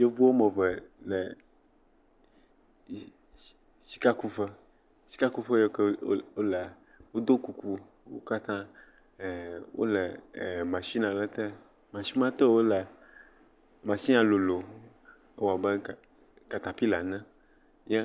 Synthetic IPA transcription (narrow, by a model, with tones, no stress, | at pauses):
je˦vu˦wo˦mə̃˨vɛ˨lɛ˨ | si̥˦ka˦ku˦ɸə˦ | si̥˦ka˦ku˦fe˦je˦ko˦lɛ˨ | wo˦d̪o˦ku˨ku˦ | wo̰˦ka˦t̪ã˦˨ | wʔo̰˦lɛ˨mã˨ʃi˦nã˨lɛ˦t̪e˦ | mã˨ʃi˦mã˦t̪ɛ˦wo˦lɛ˨ | mã˨ʃi˦nã˨lo˨lo˨ | e˦wa˨bɛ˦˨ | ka˨t̪a˨pi˦la˨nɛ̃˦ | jɛ˦